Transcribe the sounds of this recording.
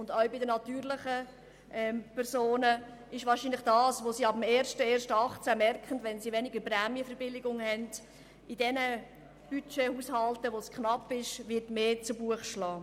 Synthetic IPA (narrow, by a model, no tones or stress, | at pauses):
ʊndaʊbɪdənɑtyːɾlɪχə | ʔɛmpɛɾsoːnəɪʃʋɑːrʃiːnlɪχd̥ɑːsʋoːsiːɑbəmeːɾʃtəeːɾʃtəɑχt͡sæmɛrkχən̩dʋɛnsiʋɛnɪɡəɾpræːmjəfɛɾbɪlɪɡʊŋhɛnd̥ | idɛnə | b̥yt͡ʃehuːshɑltəʋoskχnɑpːɪʃʋɪɾtmeːt͡subuəχʃlɑː